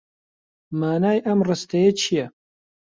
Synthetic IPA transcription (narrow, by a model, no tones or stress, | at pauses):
maːnaːjʔɐmrɨst̪ɐjɐt͡ʃʰijɛ